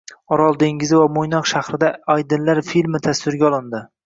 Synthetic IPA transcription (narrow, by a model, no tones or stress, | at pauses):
ɒɾɒlˠd̪e̞ŋɡʲɪzɪvamojnɒqʃahɾɪd̪aajd̪ɪnlaɾfilmɪt̪ʰast̪ɪɾɡʲaɒlˠɪnd̪ɪ